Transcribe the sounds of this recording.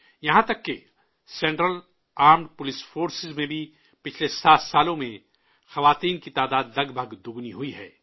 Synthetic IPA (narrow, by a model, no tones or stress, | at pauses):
jɐɦãt̪ɐkːe | sɛ̃ːɳʈɾəl | aːɾmɖpʊlɪsfoːɾsɪzmẽbʱi | pɪt͡ʃʰlesaːt̪ʰsaːlõmẽ | xɐʋaːt̪iːnkit̪aːd̪aːd̪lɐɡbʱɐɡd̪ʊɡniɦuiɦɛ̰ː